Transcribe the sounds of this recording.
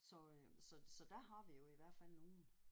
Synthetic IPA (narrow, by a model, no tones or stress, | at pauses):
sɒ̽sɒ̽sɒ̽d̥æɦɑ̈ʋijo̝iʋæɐ̰d̥fæl̰no̝ːn̩